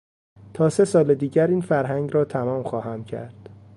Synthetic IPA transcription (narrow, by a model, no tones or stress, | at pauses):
t̪ʰɒːse̞sɒːled̪iːɟæɾiːnfæɾɦæŋɟɾɒːt̪ʰæmɒːmxɒːhæmcʰæ̰ɾd̪̥